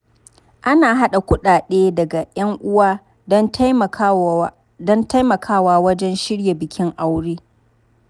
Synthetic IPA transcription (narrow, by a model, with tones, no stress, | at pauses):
ʔa˦naː˨ɦa˦ɗa˨kʷʊ˦ɗaː˨ɗeː˦dɐ˨ɡa˨ʔj̰ɐ˦ŋʔʊ˦waː˦ | dɐ˦ntjm˨ | dɔ˦nta˦jmɐ˨kʰaː˦waː˦wɐ˦d͡ʒɛ˦nʃɪ˦ɽja˨bɪ˨kʲɪ˦ŋʔa˦wɽeː˦